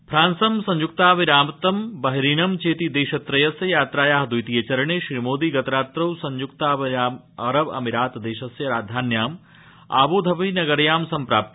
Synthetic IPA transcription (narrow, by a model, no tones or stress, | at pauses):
pʰɾaːnsɐmsɐ̃ɲd͡ʒukt̪aːʋiɾaːmt̪ɐmbɐɦɾiːnɐmt͡ʃeːt̪id̪eːʃɐt̪ɾɐjɐsjɐjaːt̪ɾaːjaːɦd̪ujt̪ijɐt͡ʃɐɾɐɳeːʃɾimoːd̪iɡɐt̪ɐɾaːt̪ɾɐwsɐɲd͡ʒukt̪aːʋiaːm | ɐɾɐʋɐ̰miɾaːt̪d̪eːʃɐsjɐɾaːd̪ʱaːnjaːm | a̰ːʋoːd̪ʱɐʋinɐɡɐɾjaːmsɐmpɾaːp̚t̪i